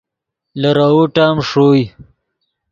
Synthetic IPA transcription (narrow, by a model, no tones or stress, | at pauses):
lɐɾawuʈaːmʂoːj